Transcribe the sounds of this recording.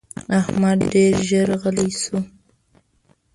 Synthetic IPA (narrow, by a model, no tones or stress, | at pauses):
ahmad̪ɖeɾʒəɾaɣəlajsu